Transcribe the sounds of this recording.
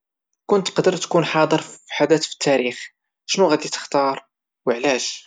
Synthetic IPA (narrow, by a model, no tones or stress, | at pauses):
kʊnt̪qd̪əɾˤt̪kunħɑd̪ˤəɾˤfiħad̪æt̪fi̥t̪ʰːæɾix | ʃnuɣæd̪it̪ə̥xt̪ɑɾˤ | wəʕlæʒ